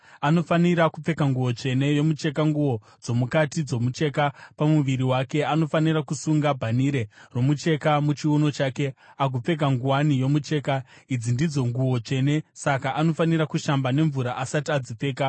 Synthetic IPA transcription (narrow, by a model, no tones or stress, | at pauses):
ano̞faniɾakup͡fe̞kaŋɡuwo̞t͡ʂe̞ne̞jo̞mut͡ʃe̞kaŋɡuwo̞ | d͡zo̞mukatid͡zo̞mut͡ʃe̞kapamuʋiɾiwake̞ano̞fanirakusuŋɡabʱaniɾe̞ro̞mut͡ʃe̞kamut͡ʃiuno̞t͡ʃaːke̞ak̬up͡fe̞k̬aŋɡuwanijo̞mut͡ʃe̞ːkaid͡zindid͡zo̞ŋɡuwo̞t͡ʂe̞ne̞sakaʔano̞faniɾakuʃambane̞ɱvuɾaʔasatiad͡zip͡fe̞ːka